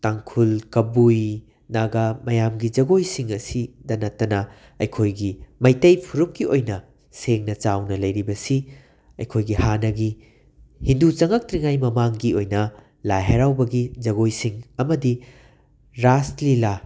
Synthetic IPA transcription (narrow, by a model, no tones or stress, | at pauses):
taŋkʰulkɐbuj | naɡɐmɐjamɡid͡ʒɐɡojsiŋɐsidɐnɐtːɐnɐ | ɐjkʰojɡimɐjtɐjpʰuɾup̚kiojnɐ | seŋnɐt͡ʃawnɐlɐjɾibɐsi | ɐ̰jkʰojɡihanɐɡi | hindut͡ʃɐŋɐk̚tɾiŋajmɐmaŋɡiojnɐ | lajɦajɾawbɐɡid͡ʒɐɡojsiŋɐmɐdi | ɾaslila